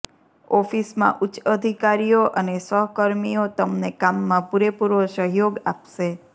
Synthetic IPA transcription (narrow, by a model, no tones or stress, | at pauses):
ɔfismã̰ʔʊtːʃəd̪ʱikaɾijoʔənesəɦəkəɾmijot̪əmnekamːãpuɾepuɾʋosəɦjoɡa̰pʃe